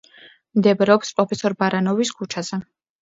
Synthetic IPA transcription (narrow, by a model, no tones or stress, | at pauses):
md̪ɛbɾɛɔpspʼɾɔpʰɛsɔɾbaɾanɔviskʰut͡ʃʰaz̥ɛ